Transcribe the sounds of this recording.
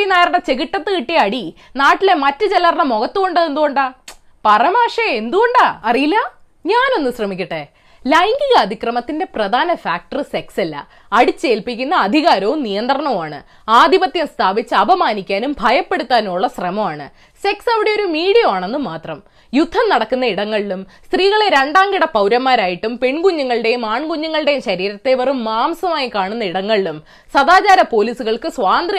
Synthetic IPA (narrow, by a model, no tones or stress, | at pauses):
inaːjɐɾɐɽɐt͡ɕe̞ɣiʈːɐt̪ːɨkiʈːijɐɐɽinaːʈːile̞mɐtːɨt͡ɕelːɐrnɐmo̞ɣɐt̪ːuɣo̞ɳɖɐðend̪uɣo̞ɳɖaː | pɐrɐmaːʂeend̪uɣo̞ɳɖaːɐrijilːɐ | ɲaːno̞nːɨɕrɐmikʲːuʈːe | lɐjŋɡiɣɐːd̪ʱikrɐmɐt̪ːinde̞prɐd̪ʱaːnɐfaːk̚ʈɐrsekselːɐ̰ | ɐɽit͡ɕːe̞ːlpikʲːun̪ːɐːd̪ʱiɣaːɾɐʋumnijɐnd̪rɐɳɐʋaːɳɨ | aːd̪ʱibɐt̪jɐmst̪ʰaːbit͡ɕːɨɐbʱɐmaːnikʲːaːnumbʱɐjɐpːe̞ɽut̪ːaːnuɭːɐsrɐmɐmaːɳɨ̰ | se̞ksɐʋiɽe̞jo̞ɾumiːɽijɐmaːɳe̞nːumaːt̪rɐm | jud̪ʱːɐmnɐɽɐkːunːɐiɽɐŋːɐɭilumst̪riːɣɐɭeɾe̞ɳɖaːŋɡiɽɐpɐwɾɐmːaːɾaːjiʈːumpe̞ɳɡuɲːuŋːɐɭɽe̞jumaːɳɡuɲːuŋːɐɭɨɽe̞jumɕɐɾiːɾɐt̪ːe̞ʋɐrumːaːmsɐmaːjikaːɳunːɐiɽɐŋːɐɭilum | sɐd̪aːt͡ɕaːɾɐpo̞ːliːsuɣɐɭkɨsʋaːnd̪ri